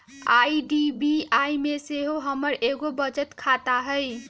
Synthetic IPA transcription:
ajɖibiajmeseɦoɦəməɾʔeɡobəd͡ʒət̪kʰat̪aɦə

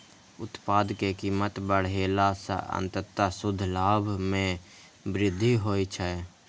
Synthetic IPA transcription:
ʊt̪paːd̪kekiːmət̪bəɽ̤eːlasə̰ə̰̃nt̪ət̪ːasʊd̪ʱlaːbʱmẽ | bɾɪd̪ʱːiɦoit͡ʃʰɛ

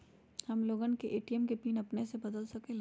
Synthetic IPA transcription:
hɐmloːɡənkeʔeːʈiɛmkepiːnɐpnesebɐd̪əlsɐkẽl

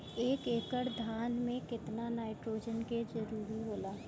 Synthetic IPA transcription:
eːkeːkəɾd̪ʱaːnmẽkɪt̪nanaːɪʈɾoːd͡ʒənked͡ʒɐɾuːɾiboːlaː

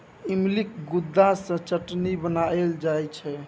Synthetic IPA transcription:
imlik̚ɡud̪ːasə̃t͡ʃəʈnibənaeld͡ʒajt͡ʃʰɛ

